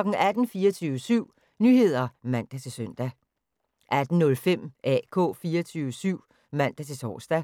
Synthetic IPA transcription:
ɡ̥n̩æd̥n̩fiːɐt͡sʰyːʊəsyʊ̰ | nyːɦe̝ð̞̰ˠɐmæn̰d̥æt͡sʰe̝lsøn̰d̥æ | ʔæd̥n̩nɔ̽lfem̰ʔɛ̰ːkʰɔ̝̰̽ːfiːɐt͡sʰyːʋəsyʊ̰ | mæn̰d̥æt͡sʰe̝t͡sʰɒ̰ːsd̥æ

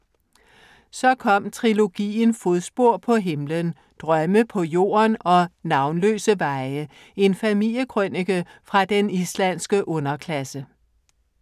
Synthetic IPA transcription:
sɒ̽kʰɒ̽m̰t͡sʰʁilo̝ɡ̥ḭːn̩foðˠsb̥o̝ɐ̰pʰɒ̽ɦe̝mlən | d̥ʁɶməpʰɒ̽jo̝̰ːɐnɒ̽nɑ̈ʊnlø̰ːsəʋɑ̈ɪə | e̝nfæmil̰jəkʰʁœneɡ̥əfʁɑ̈d̥enislænsɡ̥əʔɔ̽nɐkʰlæsə

